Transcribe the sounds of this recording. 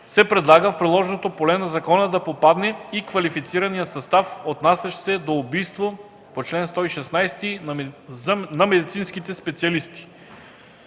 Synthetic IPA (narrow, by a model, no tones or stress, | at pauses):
sɛpɾɛd̪lˠaɡəfpɾilˠɔʒnot̪opolɛnɐzɐkɔnəd̪ɐpopad̪nɛikvɐlifit̪siɾɐnijəsɐst̪afot̪nasʲɐʃsɛd̪oːbijst̪vo | pot͡ʃlɛnst̪ɔiʃɛsnajst̪i | nɐmɛd̪it̪sinsk̟it̪ɛspɛt̪siɐlist̪i̥